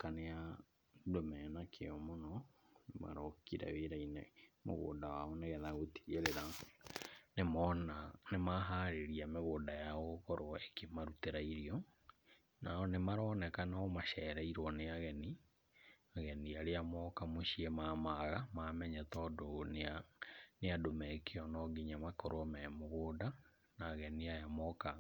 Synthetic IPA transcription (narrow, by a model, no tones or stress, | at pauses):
kanea | domɛːnakʰeɔmonɔnema̰ɾɔkiɾɛ̰weɾainɛmo̰ɣo̰ːdawaɔneɣɛðaɣoti̥ɣeɾeɾa | nemɔnanemaɦaɾeɾiameɣoːdajaɔkɔɾɔekemaɾuteɾaiɾiɔ | naɔnemaɾɔːnɛkanaːmaʃɛɾɛiɾwɔneaɣɛni | aɣɛniaɾeamɔkamoɕiemamaɣamamɛɲɛtɔdonaneadomɛkeɔnɔɡiɲamakɔɾwɔmɛmoɣoːda | naːɣɛniajamɔka